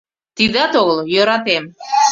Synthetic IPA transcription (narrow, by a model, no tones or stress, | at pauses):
t̪iðɑt̪oɣəljøɾɑt̪em